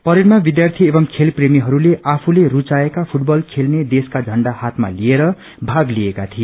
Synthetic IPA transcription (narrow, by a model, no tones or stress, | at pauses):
pʌɾiɾmabid̪jart̪ʰiebʌmkʰelpremiɦʌɾuleʔapʰulerut͡saekapʰuʈbʌlkʰelned̪eskad͡zʱʌɳɖahat̪ma̰lieɾʌ | bʱaɡliekat̪ʰie